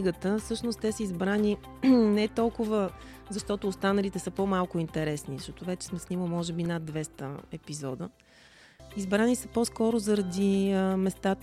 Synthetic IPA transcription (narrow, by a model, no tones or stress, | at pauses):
iɡət̪əfsɤʃnost̪t̪ɛsəizbɾani | nɛt̪ɔlˠkʊvə | zɐʃt̪ɔt̪ʊːst̪anəlit̪ɛsəpomalˠkʊint̪ɛɾɛsnizɐʃt̪ɔt̪ʊvɛt͡ʃɛ̥smɛsnʲiməlimɔʒɛbinad̪vɛst̪ə̰ɛpizɔd̪ə | izbɾanisəposkɔɾʊzɐɾɐd̪iəmɛst̪at̪